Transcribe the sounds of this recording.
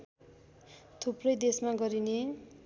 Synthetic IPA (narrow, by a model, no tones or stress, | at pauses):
t̪ʰuprʌjd̪esmaɡʌɾine